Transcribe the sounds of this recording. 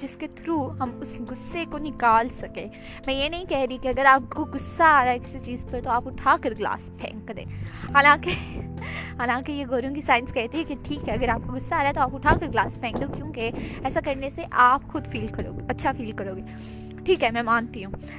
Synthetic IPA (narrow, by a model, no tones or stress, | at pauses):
d͡ʒɪsket̪ʰɾuːɦɐmʊsɡʊsːekonɪkaːlsɐkẽː | mɛ̃ːjenɐɦĩkɛɦɾikeɐɡəɾaːp̚koɡʊsːaaːɾaɦɛkɪ̥sit͡ʃiːzpɐɾt̪oaːpʊʈʰaːkɐɾɡla̰ːspʰɛ̰̃ːŋkd̪ḛ̃ːɦaːlãːke | ɦaːlãːkejeɡʱoːɾõkisaːɪnskɛɦt̪iɦɛkeʈʰiːkɦɛɐɡəɾaːp̚koɡʊsːaːɾaɦɛt̪oaːpʊʈʰaːkəɾɡlaːspʰɛ̃ːŋɡd̪okjõːkeɛːsakɐɾneseʔaːpxʊd̪fiːlkɐɾo̰ːɡɐtːʃʰafiːlkɐɾoːɡeː | ʈʰiːkɦɛmɛ̃ːmãːnt̪iɦũː